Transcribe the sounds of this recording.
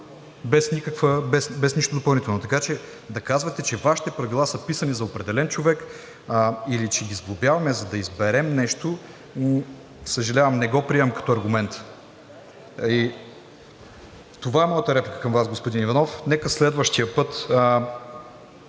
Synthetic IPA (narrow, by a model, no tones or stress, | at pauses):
bɛsnikəkvəbɛsbɛsniʃt̪od̪opɐlˠit̪ɛlˠnot̪ɐkat͡ʃɛ | d̪ɐkazvɐt̪ɛt͡ʃɛvaʃi̥t̪ɛpɾɐvilˠasəpisɐnizɐopɾɛd̪ɛlɛnt͡ʃovɛk | ilit͡ʃɛɡʲizblˠobjavɐmɛzɐd̪ɐizbɛɾɛmnɛʃt̪o | səʒɐlʲavɐmnɛɡɔpɾiɛvɐmkɐ̥t̪ɔɐɾɡʊmɛnt̪ | i | t̪ovaɛmɔjət̪əɾɛplikə̥kɐmvasɡospʊd̪inivɐnɔfnɛkəslɛd̪vəʃt̪ijəpɤt̪